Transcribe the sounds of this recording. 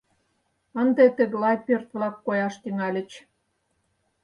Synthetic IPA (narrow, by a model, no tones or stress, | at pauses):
ənd̪et̪ə̆ɣəlɑjpørt̪βlɑkːojɑʃt̪yŋɑlʲə̆t͡ɕ